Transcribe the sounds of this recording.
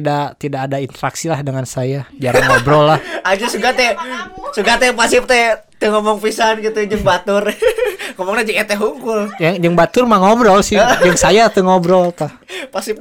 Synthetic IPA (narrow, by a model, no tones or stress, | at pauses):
dat̪idakːdaint̪əɾaksilahdəŋansajad͡ʒaɾanobɾɔlahad͡ʒasuɡat̪ɛsuɡat̪ɛpasip̚t̪ɛt̪ɛŋɔmɔŋpisanɡit̪ud͡ʒəŋbat̪ʊrŋɔmɔŋt̪ɛd͡ʒəŋɛt̪ɛɦuŋkʊld͡ʒəŋd͡ʒəŋbat̪ʊrmaŋobɾɔlsɪd͡ʒəŋsajat̪uŋobɾɔlt̪ɔhpasip̚